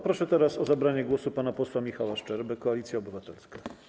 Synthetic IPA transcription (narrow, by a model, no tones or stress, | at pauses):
pɾɔʂɛt̪ɛɾasɔzabɾaɲɛɡwɔsupanapɔswamʲixawaʂt͡ʂɛɾbɘkɔalʲit̪sʲjaɔbɘvat̪ɛlska